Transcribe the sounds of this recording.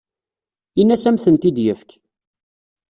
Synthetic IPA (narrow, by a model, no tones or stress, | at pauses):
inːæsæmθənt̪id̪jəfk